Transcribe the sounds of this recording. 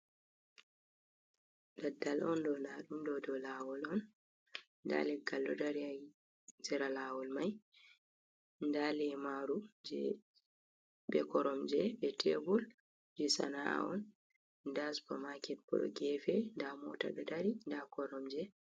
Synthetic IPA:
dadːalʔɔndɔnaɗumdɔdɔlawɔlɔn | nda̰lɛɡalːɔdaɾiaj | d͡ʒɛɾalaːwɔlmaj | ndalɛmaɾud͡ʒɛ̰ | bɛkɔɾɔmd͡ʒɛbɛtʰɛbul | d͡ʒɛsa̰na̰ɔn | daspɔmakɛt̚bɔ̰ɗɔ̰ɡɛfɛndamɔ̰ta̰ɗɔdaɾindakɔɾɔmd͡ʒɛ

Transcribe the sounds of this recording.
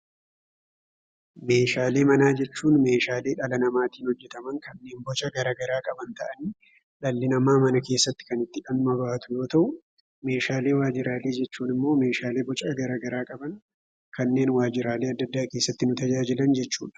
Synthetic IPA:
me̞ːʃaːle̞ːmɐnaːd͡ʒɛt͡ʃːuːnme̞ːʃaːle̞ːᶑɐlɐnɐmaːt̪iːnhɔd͡ʒːɛt̪ɐmɐŋkɐnːe̞ːnbɔt͡ʃʼɐɡɐɾɐːɡɐɾaːkʼɐbɐnt̪ɐʔɐniː | ᶑɐlːɪnɐmaːmɐnɐke̞ːsːɐt̪ːɪ̥kɐnɪt̪ːɪᶑɐnmɐbaːt̪ʊjo̞ːt̪ɐʔʊ | me̞ːʃaːle̞ːwaːd͡ʒɪɾaːleːd͡ʒɛt͡ʃːuːnɪmːo̞ːme̞ːʃaːle̞ːbɔt͡ʃʼɐɡɐɾɐɡɐɾaːkʼɐbɐn | kɐnːe̞ːnwaːd͡ʒɪɾaːle̞ːɐd̪ːɐd̪ːaːke̞ːsːɐt̪ːɪnʊt̪ɐd͡ʒaːd͡ʒɪlɐnd͡ʒɛt͡ʃːṵːᶑɐ̥

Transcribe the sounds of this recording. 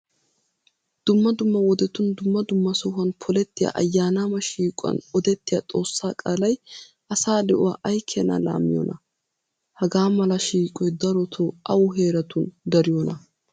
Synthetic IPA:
d̪̥ʊmːɐd̪ʊmːɐwɔd̪ɛt̪ːʊnd̪ʊmːɐd̪ʊmːɐsɔhɐnpʰɔlɛt̪ːɪja̰ʔɐ̰jːaːnaːmɐʃiːkʼɐ̰nɔd̪ɛt̪ːɪjɐ̰t̪ʼo̞ːsːaːkʼaːlɐj | ʔɐsaːd̪ɛʔʊwaʔɐjkʰːɛna̰la̰ːmːɪjɔ̰nʔɐ | hɐɡaːmɐlɐʃiːkʼɔjd̪ɐɾɔt̪ʰoʔɐwʊɦe̞ːɾɐt̪ʊnd̪ɐɾɪjɔnɐ

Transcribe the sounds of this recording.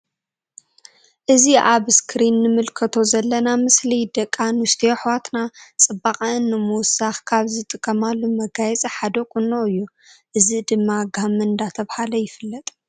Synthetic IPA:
ʔɨziʔaβskʰɾinːɨmɨlkʰɐt̪ʰo̞zɐlːɐnamɨslid̪ɐkʼːanust̪ʰioħwat̪nat͡sʼɨbaχʼaɨnːɨmuwsaxkʰaβzɨt̪ʼɨkʼːɐmalːumɐɡajɛt͡sʼiħad̪okʼunːoɨjːu | ʔɨzid̪ɨmːaɡamɨɨnd̪at̪ʰɐβhalɐjɪfɨlːɐt̪ʼ

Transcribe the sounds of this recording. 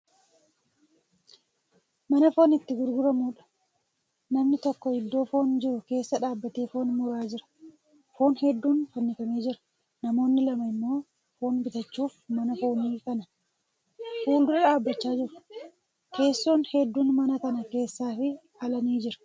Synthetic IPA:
mɐnɐfo̞ːnɪt̪ːɪɡʊɾɡʊɾɐmuːᶑɐ̥ | nɐmnɪt̪ɔkːɔɪd̪ːo̞ːfo̞ːnd͡ʒɪɾʊke̞ːsːɐᶑaːbːɐt̪eːfoːnmʊɾaːd͡ʒɪɾɐ̥ | foːnhɛd̪ːuːnfɐnːɪkɐmeːd͡ʒɪɾɐ̥ | nɐmo̞ːnːɪlɐmɐɪmːo̞ː | foːnbɪt̪ɐt͡ʃːuːfmɐnɐfoːniːkɐnɐ | fuːld̪ʊɾɐᶑaːbːɐt͡ʃːaːd͡ʒɪɾʊ | ke̞ːsːoːnhɛd̪ːuːnmɐnɐkɐnɐke̞ːsːaːfɪ | ɐlɐniːd͡ʒɪɾɐ̥

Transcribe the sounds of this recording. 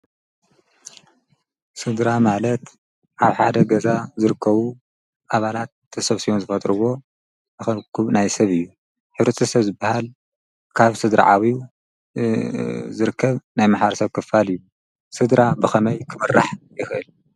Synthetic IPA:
sɨd̪ɾamalɐt̪ | ʔaβħad̪ɐɡɐzazɨɾɨkːɐβu | ʔaβalat̪ːʰ | ɨsɐβsijonzɨfɐt̪ʼɾɨwo̞ | bɨxɐkʰuβnajsɐβɨjːu | ħɨβɾɐt̪ʰɨsɐβzɨbahal | kʰaβsɨd̪ɾa̰ʕawi | zɨɾɨkʰːɐβnajmaħβɐɾsɐβkʰɨfalɨjːu | sɨd̪ɾabɨxɐmɐjkʰɨmɨrːa̰ħjɪxʔɨ̰l

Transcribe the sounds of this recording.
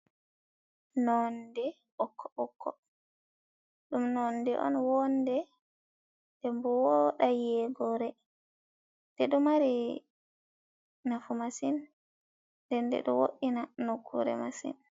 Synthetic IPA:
nɔndɛ | ɔkʰːɔɔkʰːɔ̰ | ɗumnɔndɛ̰ʔɔ̰nwɔndɛ | dɛmbɔwɔɗajɛɡɔɾɛ | d̥ɛɗɔmaɾi | nafumasin | ndɛndɛ̰ɗɔ̰wo̰ɗːinanokʰːṵɾɛ̰masḭn

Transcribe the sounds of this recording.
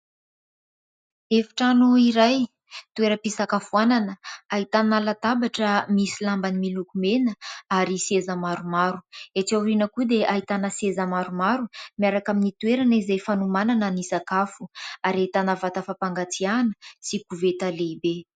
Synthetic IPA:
efi̥ʈ͡ʂanuiɾaj | t̪ueɾəpisakafuananəaɦit̪analat̪abaʈ͡ʂəmisilambanimilukumenəaɾisezamaɾumaɾuet͡sauɾinəkud̪eʔaɦit̪anəsezamaɾumaɾumiaɾakaminit̪uweɾanizejfanumananənisakafuaɾait̪anəvat̪afapaŋɡat͡sianəsikuvet̪alebe

